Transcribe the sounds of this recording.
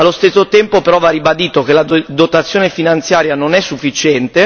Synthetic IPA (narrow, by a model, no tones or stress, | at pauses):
alːost̪esːot̪ɛmpopeɾɔvarːibad̪iːt̪ok̟elad̪ot̪at̪sːjoːnefinant̪sjaːɾjanonɛsːufːit͡ʃɛnt̪e